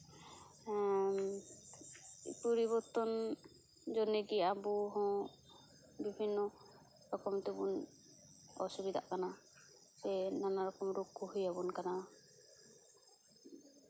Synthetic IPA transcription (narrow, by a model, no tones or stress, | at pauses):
puɾiβɔɾt̪ɔn | d͡ʒɔnɛɡiabuɦɔ̃ | bibʱinːɔ | ɾɔkɔmt̪ɛbun | ɔ̰subid̪a̰ʔkana | sɛnanaɾɔkɔmɾukːuɦujabunkana